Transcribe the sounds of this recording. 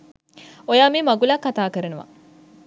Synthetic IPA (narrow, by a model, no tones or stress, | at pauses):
ojaːmiːmɐɡulakːat̪aːkəɾenuʋa̰